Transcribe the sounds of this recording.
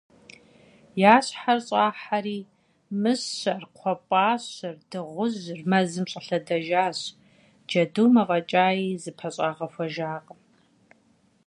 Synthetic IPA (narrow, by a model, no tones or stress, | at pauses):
jaːɕħarɕʼaːħaɾiː | mɨɕːɐrqʷʰɔpʷʼɑːɕɐrdɨʁʷʊʑrmɐzɨmɕʼɐɬɐdɐʒaːɕ | d͡ʒɐduːmɐʁɐt͡ʃʼaːjiːzɨpʰɐɕʼaːʁɐxʷɔʒaːqʼəm